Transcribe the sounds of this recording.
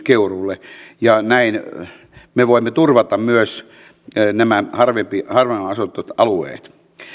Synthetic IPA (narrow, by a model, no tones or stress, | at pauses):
keurulːejɑnæin | meʋoimːet̪urʋɑt̪ɑmmyøs | næmæhɑrʋempihɑrʋeɑsut̪ːˑot̪ɑluḛːt̪